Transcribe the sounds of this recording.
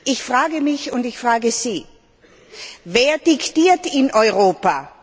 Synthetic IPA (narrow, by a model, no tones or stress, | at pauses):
ʔɪçfʁ̥aːɡəmɪçʊntɪçfʁ̥aːɡəziː | veːɐd̥ɪktiːɐtɪnʔɔʏʁoːpa